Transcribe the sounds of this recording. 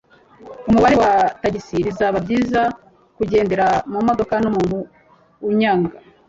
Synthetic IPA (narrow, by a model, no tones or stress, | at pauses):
umuβaɾe̞wataɟisiɾizaβabɟiːza | kuɟe̞ːnde̞ɾamumo̞do̞kanomumu | uɲaːŋɡa